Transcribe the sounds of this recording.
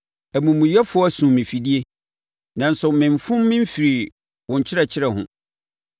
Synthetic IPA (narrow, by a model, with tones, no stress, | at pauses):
æ˨mũ˨mũ˨jɛ˦fʊ˦ɔ˦æ˦sũ˨mɪ̃˨fi˨di˦e˦ | nã˨n̩˦sʊ˨mɪ̃˨ɱfʊ̃˦mːɪ̃˦m̩˦fi˨ɾi˨ | wʊ̃˨ɲ˨t͡ɕʰɪ˦ɾɛ˨t͡ɕʰɪ˦ɾɛ˨ɦʊ̰̃˨